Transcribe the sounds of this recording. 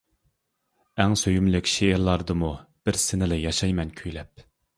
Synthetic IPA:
æŋsøjymlɪkʲʃeːɾlˠɑɾd̪ɨmub̥ɪɾsɪnɪlɨjɑʃɑjmɛnkʲʰyjlɛp̚

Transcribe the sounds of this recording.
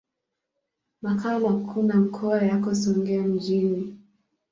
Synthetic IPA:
makʰalakʰunam̩kʰɔajakɔsɔŋɡɛam̩d͡ʒini

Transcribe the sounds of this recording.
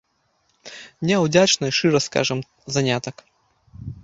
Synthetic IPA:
mnʲeʊd̪ʲat͡ɕnɨʂɨɾəska̰ʐɨm | zɐnʲat̪ək

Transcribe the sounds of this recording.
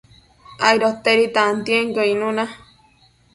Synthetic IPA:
ajɾot̪eɾit̪aːnt̪jeŋkoĩnũna

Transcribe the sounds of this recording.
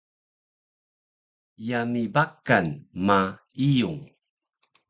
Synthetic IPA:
jamibakanma | ijuŋ

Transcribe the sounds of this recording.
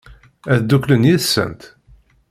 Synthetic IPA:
æðd̪ːuklənjiðsːə̰nt̪

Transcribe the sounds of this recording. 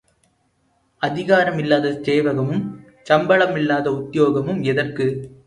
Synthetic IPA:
ɐðɪɣaːɾɐmɪlːaːðɐt̪eːʋɐɣɐmɯm | t͡ʃɐmbɐɭɐmɪlːaːðɐʊt̪ːɪjoːɣɐmɯmɛðɐrkɯ

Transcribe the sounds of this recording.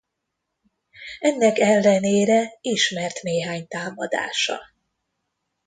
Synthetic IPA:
ɛnːɛkɛlːɛneːɾɛiʃmɛrt̪neːɦaːɲt̪aːmɒd̪a̰ːʃɒ̰

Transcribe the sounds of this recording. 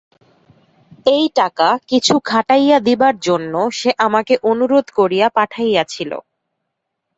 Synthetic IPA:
ejʈakakit͡ɕʰukʰaʈajad̪ibaɾd͡ʑonːoʃeʔamakeʔonuɾod̪ʱkoɾijapaʈʰajat͡ɕʰilo̰

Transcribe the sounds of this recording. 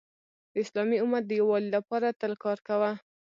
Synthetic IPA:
d̪əɪslɑmiʊmaɾd̪əjawɑlilapɑɾat̪əlkɑɾkawa

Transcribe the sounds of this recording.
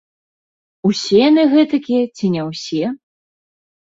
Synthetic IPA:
usʲɛjanɨɣɛt̪ɐkʲijɛt͡sʲinʲɛwsʲɛ

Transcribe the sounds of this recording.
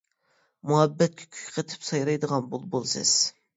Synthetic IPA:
muɦɛbːɛt̪̚kʲʰy̥kʲʰy̥kʲqʰət̪ʰɪ̥psɑjɾɑjd̪əʁɑnbulˠbolˠsɨ̰z̥

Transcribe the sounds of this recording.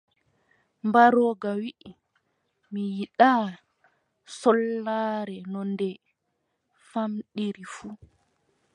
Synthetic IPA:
mbaɾɔːɡawiʔi | mijiɗaː | sɔlːaːɾɛnɔndɛ | famɗiɾifu

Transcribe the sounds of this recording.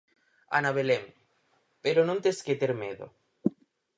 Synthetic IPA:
a̰naβelem | peɾonõnt̪esket̪eɾmeðo̰

